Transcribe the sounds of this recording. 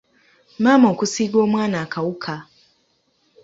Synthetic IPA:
mamokusiɡoːmwaːnakʰawukʰa

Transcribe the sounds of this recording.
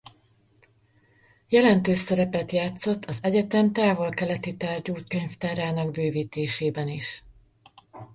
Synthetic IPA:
jɛlɛnt̪øːʃsɛɾɛpɛt̪jaːt̪so̞t̪ʰːɒzɛɟɛt̪ɛmt̪aːvo̞lkɛlɛt̪it̪aːrɟuːt̪køɲft̪aːɾaːnɒɡ̚bøːviːt̪eːʃeːbɛniʃ

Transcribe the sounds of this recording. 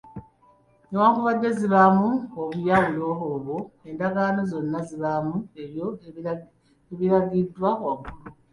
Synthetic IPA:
newaːŋkuβadːe̞ziβamuoβujawulo̞ɦoːβoe̞ndaɡaːno̞zo̞nːaziβamuejo | eβiɾaɡidːwaakulu

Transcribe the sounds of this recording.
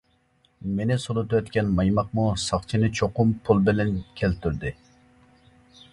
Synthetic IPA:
menɪsolˠut̪ɨwɛt̪kʲɛnmɑjmɑqmusɑχt͡ʃʰinɨt͡ʃʰoqʊmpʰulˠbɪlɛnkʲʰɛlt̪ʰyɾd̪ɪ

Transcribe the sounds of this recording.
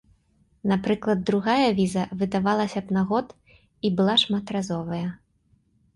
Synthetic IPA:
napɾɨklˠɐd̪ːɾuɣajɐvʲizɐvɨd̪avalˠɐsʲɐpnaɣɔt̪ | ibɨlˠaʂmat̪ɾazɔvɐjɐ

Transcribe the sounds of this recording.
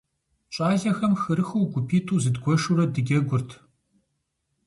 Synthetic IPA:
ɕʼaːɮɐxɐmxɨɾɨxuwɡʷʊpʰiːtʰuːzɨdɡʷɔʃuɾɐdɨɡʲɛɡʷʊrtʰ

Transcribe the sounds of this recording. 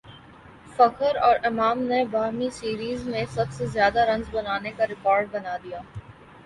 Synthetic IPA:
fɐkəɾɔːɾɪmaːmnebaːɾmisiːɾiːzmẽsɐbsezjaːd̪aɾɐ̃ŋzbɐnaːnekaɾɪkɔːɾɖ̚bɐnaːd̪ijaː

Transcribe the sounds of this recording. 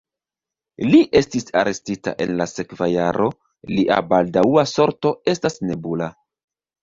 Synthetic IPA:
liʔe̞stisaɾe̞stita̰ʔe̞̰nlase̞kvajaɾʔo̞ | liʔa̰baldauaso̞ɾto̞e̞stasne̞bula

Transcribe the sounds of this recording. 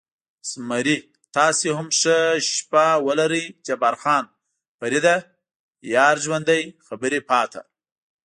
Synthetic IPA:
smaɾi | t̪ɑseɦamʂəʃpawəlaɾəjt͡ʃebaɾxɑːn | paɾid̪a | jɑɾʒwand̪ajxabəɾepɑːt̪ʰa̰

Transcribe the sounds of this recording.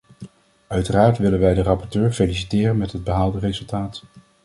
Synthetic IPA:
œɥtəraːɹtʋɪlənʋɛjdərɑpɔɹtøːɹfelisi̥tɪːrənmɛtɦəd̚bəɦaːlˠdərezɵlˠtaːt

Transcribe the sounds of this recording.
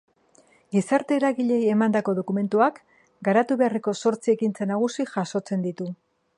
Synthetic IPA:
ɡisaɾt̪e̞ːɾaɣiʎe̞je̞mand̪ako̞ðo̞kume̞nt̪uak | ɡaɾat̪uβe̞areko̞so̞ɾt͡sie̞kint͡senaɣ̞usixaso̞t͡se̞nd̪it̪u

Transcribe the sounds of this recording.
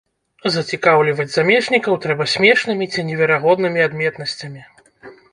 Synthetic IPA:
zɐt͡sʲikawlʲivɐd͡zʲzamʲɛʂnʲikɐwt̪ɾɛbɐsʲmʲɛʂnɨmʲit͡sʲinʲɛvʲɛɾaɣɔd̪nɨmʲiad̪mʲɛt̪nɐsʲt͡sʲɐmʲi

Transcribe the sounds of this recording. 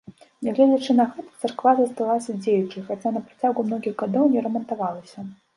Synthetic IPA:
nʲɛɣlʲɛd͡zʲɐt͡ʂɨnɐɣɛt̪t̪sarkvazɐst̪alˠasʲɐd͡zʲejut͡ʂɨjxat͡sʲanɐpɾat͡sʲawɡumnɔɣʲiɣɣad̪ɔwnʲɛɾɐmɐnt̪avalˠɐsʲɐ

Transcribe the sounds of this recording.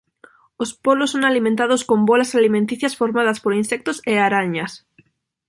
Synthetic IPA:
ospolosːoŋalimẽnt̪að̞oskõmbolasalimẽnt̪iθjasfoɾmað̞aspoɾinsek̚t̪oseaɾaɲas

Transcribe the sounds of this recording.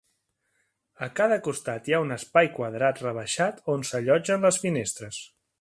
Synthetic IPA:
əkaðəkust̪at̪jaunəspajkwəðɾat̪rəβ̞əʃat̪onsəʎɔd͡ʒənləsfinest̪ɾəs

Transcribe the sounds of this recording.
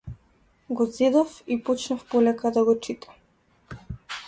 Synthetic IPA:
ɡɔzɛd̪ɔfipɔt͡ʃnafpɔlɛkad̪aɡɔt͡ʃit̪ʰḁ

